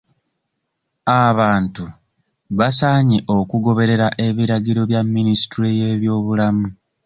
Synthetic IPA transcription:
aβaːntu | βasaːɲiʔo̞kuɡo̞βe̞ɾe̞ɾaʔe̞βiɾaɟiɾo̞βjamːinisi̥tɾeje̞ːβjo̞ːβulamu

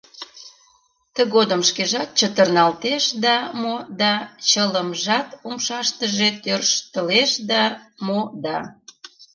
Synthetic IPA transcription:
t̪əɣod̪əmʃkeʒɑt̪̚t͡ɕət̪ərnɑlt̪eʃd̪ɑmod̪ɑt͡ɕələmʒɑt̪umʃɑʃt̪əʒet̪ørʃt̪əleʃd̪ɑmod̪ɑ

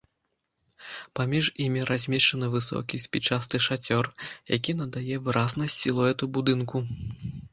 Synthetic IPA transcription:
pamʲiʐimʲiɾʔazʲmʲɛʂt͡ʂɐnɨvɨsɔ̰kʲisʲpʲit͡ʂast̪ɨʂat͡sʲɔrja̰kʲin̪ɐd̪ajɛvɨɾʔaznɐsʲilˠɐɣɛt̪ubud̪ɨnku

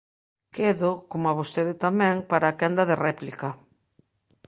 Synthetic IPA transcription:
keðokomoaβost̪eðɪt̪amɛ̃ŋpaɾaːkɛnd̪ɐðerɛplikɐ

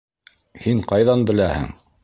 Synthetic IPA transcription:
hiɴqɑjðɑnbɘ̆læhɘ̰ŋ

